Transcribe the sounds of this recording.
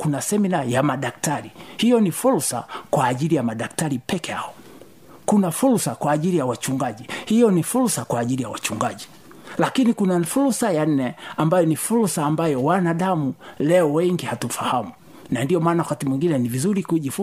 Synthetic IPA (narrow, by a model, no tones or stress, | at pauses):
kunasɛminajamaɗak̚taɾihijɔnifulsa̰kwaːʄilijamaɗaktaɾipɛkɛaɔ | kunafulsakwaːʄilijawat͡ʃuŋɡaʄihijɔnifulsakwaːʄilijawa̰t͡ʃuŋɡaʄi | lakinikunafulsajan̩ːɛambajɔnifulsaːmbajɔwanaɗamulɛɔwɛŋɡihatufahamu | nandiɔmaːnawakatimwiŋɡinɛnivizuɾikuʄif